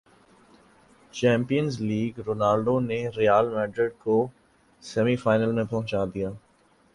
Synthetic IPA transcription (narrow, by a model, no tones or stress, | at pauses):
t͡ʃɛ̃ːmpijənzliːɡɾoːnaːɾɖoneɾijaːlmɛ̃ːɖɾɪɖ̚ko | sɛmifaːɪnəlmẽpɐɦʊ̃t͡ʃaːd̪ijaː